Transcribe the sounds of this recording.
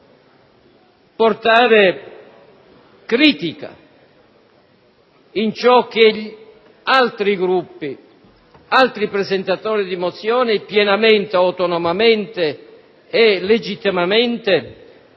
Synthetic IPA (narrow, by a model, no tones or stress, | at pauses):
pɔrt̪aːɾe | kɾiːt̪ika̰ | int͡ʃɔk̟ːɪʎ | alt̪ɾiɡɾupːi | alt̪ɾipɾɛzɛnt̪at̪ɔːɾid̪imɔt̪sːjɔːnɪpjɛnament̪eawt̪ɔnɔmament̪eː | led͡ʒit̪ːimameɛnt̪e